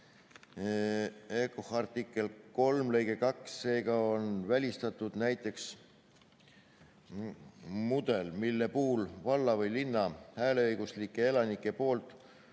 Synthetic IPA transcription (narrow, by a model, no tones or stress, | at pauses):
ekohɑrt̪ikːˑe̞lko̞lmle̞jɡ̥e̞kɑksːe̞ːɡɑonvælʲist̪ɑt̪ːˑud̪̥næjt̪ːˑe̞ks | mud̪̥e̞lmilːe̞puːlvɑlːɑvɤjlinːɑhæːle̞ɤjɡ̥uslikːˑe̞e̞lɑnikːˑe̞po̞ːlt̪ˑ